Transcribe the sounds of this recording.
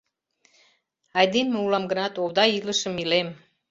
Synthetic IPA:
ɑjd̪inmeulɑmɡə̆nɑt̪owd̪ɑjiləʃə̆milem

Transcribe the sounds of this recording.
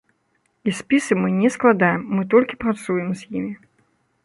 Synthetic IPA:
isʲpʲisɨmɨnʲɛsklˠad̪ajɛmːɨt̪̬ɔlʲkʲi̥pɾat̪sujɛmzʲjimʲi

